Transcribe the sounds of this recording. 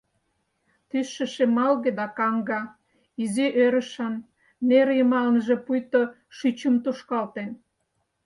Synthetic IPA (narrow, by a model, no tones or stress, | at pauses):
t̪ysːə̆ʃemɑlɣed̪ɑkɑŋɡɑ | iziʔøɾə̆ʃɑnː | eɾjəmɑlənʒĕpujt̪o | ʃyt͡ɕəmt̪uʃkɑlt̪en